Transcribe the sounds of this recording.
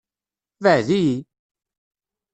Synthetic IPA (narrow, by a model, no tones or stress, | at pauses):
vəʕðiji